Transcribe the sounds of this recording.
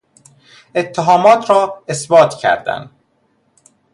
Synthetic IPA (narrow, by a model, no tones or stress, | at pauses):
e̞t̪ʰːeɦɒːmɒːt̪ʰɾɒːesbɒːt̪cʰæ̰ɾd̪æ̰n